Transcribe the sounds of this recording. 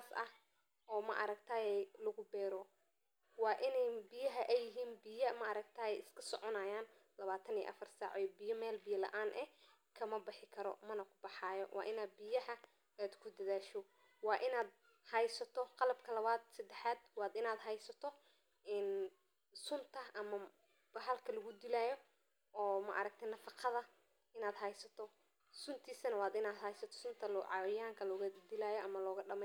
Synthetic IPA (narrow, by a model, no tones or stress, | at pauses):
asɐ̰h | ɔːmɐ̰ʔɑɾɐɡt̪ʰaːjɛjlʊɣʊbɛːɾɔ | wɑːʔɪnɛjbɪjɐɦɐʔɛjɪɦiːnbɪjɐmɐʔɑɾɐɡt̪ʰaːjɛjɪskʰɐsɔʕɔnaːjaːnlɐβaːt̪ʰɐnḭːʔɐ̰fɐrsaːʕɔbɪjɐmɛːlbɪjɐlɐ̰ʔaːnʔɛ̰ | kʰɐmɐbɪħɪkʰɐɾɔ̰mɐnɐkʰʊ̥bɑħɑːjɔwʔɑ̰ːʔɪnaːd̪̚bɪjɐɦɐ | aːd̪kʰʊd̪ɐðaːʃɔ | wɑːʔɪnaːd̪̚ | hɑjsɐt̪ʰɔqɑlɐbkʰɐlɐβaːd̪sɐd̪ɛħaːd̪wɑːd̪ɪnaːd̪ɦɐjsɐt̪ʰɔ | ɪn | sʊnt̪ʰɐʔɐmɐ | b̥ɐɦɐlkʰɐlɐɣʊd̪ɪlaːjɔ | ɔːmɐ̰ʔɐɾɐk̚t̪ʰɛnɐfɑqʰɑðɐ | ɪnaːd̪ɦɐjsɐt̪ʰɔ | sʊnt̪ʰiːsɐnɐwɑːd̪ɪnaːd̪ɦɐjsɐt̪ʰɔ̥sʊnt̪ʰɐlʕɑwɪjaːŋkʰɐlɔɣɐd̪ɪlaːjɔʔɐmɐlɔːɣɐɖɐmɛ